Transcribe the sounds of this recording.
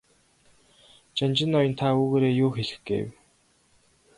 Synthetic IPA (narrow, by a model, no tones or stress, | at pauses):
t͡ɕant͡ɕɪ̆nɔjɞ̆nt̪ʰauːɣeːɾeːjʊːxeɮɘ̥̆xɡḛːw